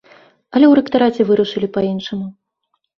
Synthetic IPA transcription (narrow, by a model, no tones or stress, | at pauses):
ɐlʲɛwɾɛkt̪aɾat͡sʲɛvɨɾuʂɨlʲipainʂɐmu